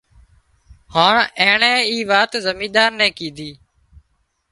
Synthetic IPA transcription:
haːɳɛ̃ːɳɛ̃ːiːʋaːt̪zəmĩːd̪aːnnɛ̃ːkĩːd̪ʱiː

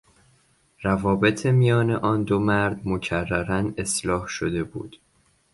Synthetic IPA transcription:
rævɒːbe̞t̪ʰemijɒːne̞ʔɒːnd̪omæɾd̪mocʰærːæɾæne̞slɒːhʃod̪e̞bṵːd̪̥

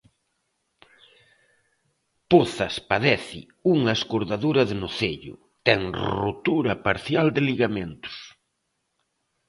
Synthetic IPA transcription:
poθɐspaðɛθɪ̰ | uŋɐeskoɾðaðuɾɐðenʊθeʎʊ̰ | t̪ɛŋrot̪uɾɐpaɾθjald̪ɪliɣament̪ʊ̥s

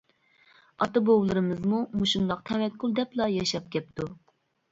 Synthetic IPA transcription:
ɑ̰t̪ɨbowlˠɨɾɨmɨzmumuʃund̪ɑqt̪ʰɛwɛk̚kʲʰːulˠd̪ɛplˠɑjɑʃɑp̚kʲɛp̚t̪ʰu

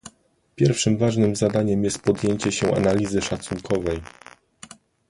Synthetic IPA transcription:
pʲjɛɾfʂɘmvaʐnɘmzad̪aɲɛmjɛst̪̚pɔd̪jeɲt͡ɕɛɕɛʔa̰nalʲizɘʂat̪suŋkʰɔvɛj

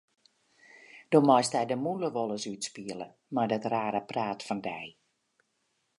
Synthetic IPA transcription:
d̥omɔjstɛjdəmuləʋolˠəsytspiələ̰ | mardɔtraːɾəpraːtfɔndɛj

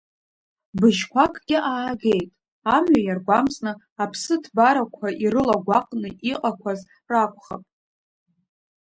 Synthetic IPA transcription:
bɨʒkʷʰakʼɡ̥ʲɪʔaːɡe̞jtʼ | amɥajarɡʷamsnɨ | apʰsɨtʰbaɾakʷʰaʔirɨlaɡʷaqʼnɨʔiqʼakʷʰaz | rakʷʰʼχa̰pʼ

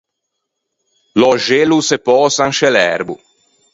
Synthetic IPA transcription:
lɔʒelusepɔːsanʃelɛɾbṵ

